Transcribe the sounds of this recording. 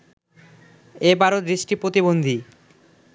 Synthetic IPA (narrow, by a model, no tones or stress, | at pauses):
ebaɾot̪d̪ɾiʃʈipɾot̪ibond̪ʱi